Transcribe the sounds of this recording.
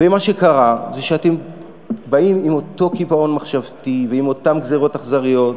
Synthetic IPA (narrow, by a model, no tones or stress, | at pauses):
vemaʃekaʁazeʃeatem | baimimo̞t̪o̞kivao̞nmaχʃavtiveimo̞tamɡzeʁo̞taχzaʁijo̞t